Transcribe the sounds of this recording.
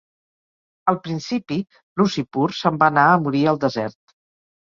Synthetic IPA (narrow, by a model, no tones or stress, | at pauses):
əlˠpɾinsipi | lusipuɾsəmbanaəmuɾiəlˠd̪əzɛɾt̪̚